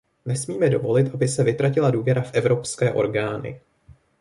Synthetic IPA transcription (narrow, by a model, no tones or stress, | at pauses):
nɛsmiːmɛdo̞vo̞lɪt̪ʔabɪsɛvɪt̪ɾacɪladuːvjɛɾafʔɛvɾo̞pskɛːʔo̞̰ɾɡaːnɪ̰